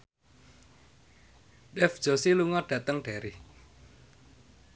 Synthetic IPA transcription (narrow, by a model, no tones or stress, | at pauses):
dɛfd̥ʒ̥o̤siluŋɔɖ̥ä̤t̪əŋɖ̥a̤ɾi